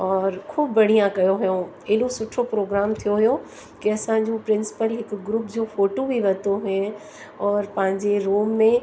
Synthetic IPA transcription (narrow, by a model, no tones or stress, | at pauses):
ɔːɾkʰuːbːɐɽ̤ijãkɐjoɦʊjõ | ɐɦɪɗosʊʈʰopɾoːɡɾaːmt̪ʰijoɦijo | kiɐsãɲd͡ʑũpɾɪ̃nsɪ̥pəlɦɪkɡɾuːpd͡ʑoːfoːʈobʱiʋɐt̪oɦẽ | ɔːɾpɐ̃ɦɪ̃ɲd͡ʑeɾoːmːẽ